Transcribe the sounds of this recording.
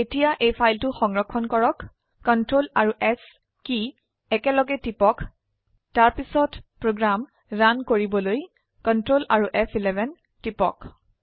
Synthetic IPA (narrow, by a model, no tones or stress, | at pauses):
etijaʔejpʰajltuxɔŋɹɔkʰːɔnkɔɹɔkː | ɔntɹolaɹuʔɛs | ki | ɛkɛlɔɡɛtipɔk | taɹpisɔtpɹoɡɹam | ɹankoɹibɔloj | kɔntɹolʔaɹuʔɛpʰilɛbʱɛn | tipɔ̰k